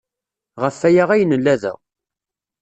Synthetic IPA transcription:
ʁəfːæjaʁæjnəlːæðə̰

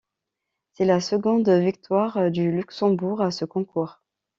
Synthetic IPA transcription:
sɛlasəɡɔ̃d̪vik̚t̪waʁd̪ylyksɑ̃buʁasəkɔ̃kuːʁ

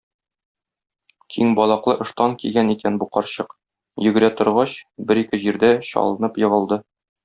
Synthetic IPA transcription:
kʰiŋbɒlˠɑqlˠɤʔɤ̆ʃt̪ɑŋkiɡʲænikænbuqɒɾɕɤq | jɵ̆ɡɘ̆ɾæt̪ŏɾʁɑɕbɘɾikɘʑiɾd̪æɕɒ̰lˠɤ̆nɤpjɤ̆ʁɤ̆lˠd̪ɤ

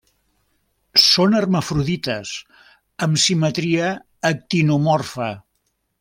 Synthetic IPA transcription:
sonərməfɾuðit̪əs | əmsimət̪ɾiəː | k̚t̪inumɔrfə

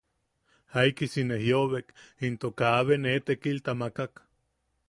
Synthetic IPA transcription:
haikisinehjoβekint̪okaβenet̪ekilt̪amakak

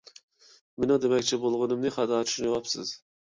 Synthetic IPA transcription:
menɪŋd̪emɛkʲt͡ʃʰɛbolˠʁʊnɨmnɨχɑd̪ɑːt͡ʃ̪ʰy̥ʃnwɑpsɨ̰z̥

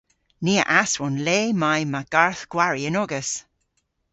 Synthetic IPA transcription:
niːə̰ʔaswɔnleːmajmaɡ̥aɹθɡ̥waɹiənɔɡəs

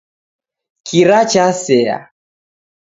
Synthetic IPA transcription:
kʰiɾat͡ʃasɛa̰

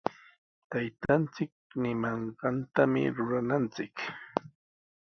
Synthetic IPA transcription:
t̪ajt̪ant͡sɪk̚nɪmɑɴɢɑnt̪amɪ̰ɾʊɾanant͡sɪk

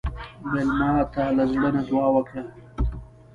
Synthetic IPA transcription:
belmɑːt̪alazɽənad̪wɑːwəka

